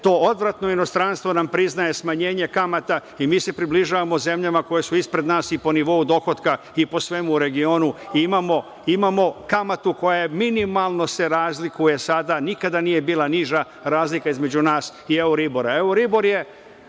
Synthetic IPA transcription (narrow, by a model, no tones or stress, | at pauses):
t̪o̞ːod̪ʋɾat̪no̞ino̞st̪ɾanst̪ʋonampɾiznaje̞smaɲe̞ːɲe̞kamat̪aimiːse̞pɾibliʒaːʋamo̞ze̞mʎamako̞jesuispɾe̞d̪naːsipo̞niʋo̞ud̪o̞xo̞t̪ka | ipo̞sʋe̞muːɾe̞ɡio̞ːnuimamo̞ | imamo̞kamat̪uko̞jajeminimalˠno̞se̞ɾaːzlikuje̞sad̪anikad̪anije̞biːlˠaniʒa | ɾaːzlikaizme̞d͡ʑunaːsieuɾibo̞ɾaeoɾibo̞ɾje̞